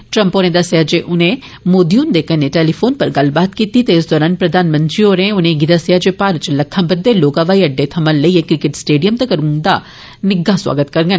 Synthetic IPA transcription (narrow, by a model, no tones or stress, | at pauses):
ʈɾɐ̃mpoːɾẽd̪asead͡ʒeʔʊnẽ | moːd̪iund̪ekəneʈeːlifʰoːnpɐɾɡɐlbaːt̪kiːt̪it̪eːɪsd̪ɔːɾaːnpɾɐd̪ʱaːnmɐ̃nt̪ɾioːɾẽʊnẽɡɪd̪aːsead͡ʒepaːɾt͡ʃlɐkʰːãbɐd̪ːeloːkãʋaːiɐɖːet̪ʰɐmənlɐiekɾɪkɪʈsʈeːɖijəmt̪ɐkɐɾũnd̪a | nɪɡaswa̰ːɡət̪kɐɾŋɡən